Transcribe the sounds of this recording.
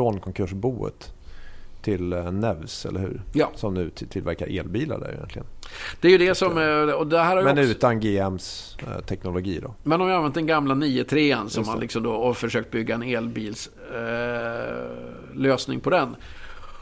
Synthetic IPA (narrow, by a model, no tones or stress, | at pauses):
fɾoːnkʰɔŋkʰɵʂbuːə̰t̪ʰː | ɪlnɛvsɛ̰lːəɾhʉ̟̰ːɾjɑːsɔmnʉ̟ːt̪ʰɪlvæɾkaɾeːlbiːla̰ɖæ̰j̰jɛ̰nt̪lɪɡə̰nd̪̥ɛæɾjɵd̪ɛsɔmɔd̪ɛɦæːɾhaɾjmɛnʉ̟ːt̪anɡeːɛmst̪ʰɛknʊlʊɡiːd̪ɔmɛnɔmvjɪanvɛnt̪d̪ɛnɡamlaniːət̪ʰɾeːənsɔmhalɪksɔmd̪oɔfœʂøːk̚t̪̚bʏɡːaɛneːlbiːls | løːsnɪ̰ŋpʰɔd̪ɛn